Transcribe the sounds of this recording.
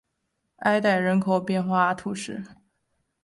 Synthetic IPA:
a˥ɪt̪a˥˩ɪɻə˧˥nkʰo˨˩ʊpjɛ˥˧nxwa˥˧t̪ʰu˥˧ʂɻ̩˥˩

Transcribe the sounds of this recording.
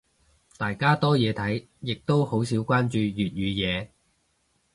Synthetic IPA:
t̪aː˨˩jkaː˥t̪ɔː˥jɛː˨˧t̪ʰɐ˨˥j | jɪ˨k̚t̪o˥who˨˥wsiː˨˥wkʷaː˥nt͡ʃyː˨˧jyː˨t̚jyː˨˧jɛː˨˧

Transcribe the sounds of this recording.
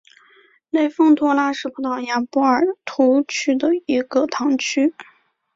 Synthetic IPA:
le˥˩ɪfɤ˥˧ŋt̪ʰwɔ˥la˥ʂɻ̩˥˩pʰu˥t̪ɑ˥˩ʊja˧˥˩pɔ˥ə˞˨˩t̪ʰu˧˥t͡ɕʰy˥d̪ə˨i˧˥ɡ̥ə˧t̪ʰɑ˧˥ŋt͡ɕʰy˥

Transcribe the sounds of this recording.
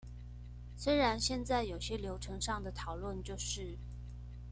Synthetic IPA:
swe˥ɪɻa˧˥nɕjɛ˥˧nt͡sa˥˩ɪjo˨˩ʊɕjɛ˥ljo˧˥ʊʈ͡ʂʰɤ˧˥ŋʂɑ˥˩ŋd̪ə˩t̪ʰɑ˨˩ʊlwə˥˧nt͡ɕjo˥˧ʊʂɻ̩˥˩

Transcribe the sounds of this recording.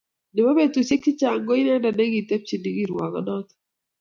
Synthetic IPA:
nɪ˨ma˦be˦t̪u˨se˦k̚t͡ʃi˦t͡ʃa˨ŋɡɔ˦i˦nɛ˦nda˨ne˦ɡi˨t̪e˦p̚t͡ʃi˨ni˦ɡi˦ɾwa˨kɔ̰˦nɔ˦t̪

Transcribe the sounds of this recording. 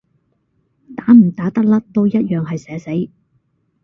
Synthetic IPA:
t̪aː˨˥m̩˨˩t̪aː˨˥t̪ɐ˥k̚lɐ˥t̪o˥wjɐ˥t̚jœː˨ŋɦɐ˨jsɛː˨˥se˨˥j

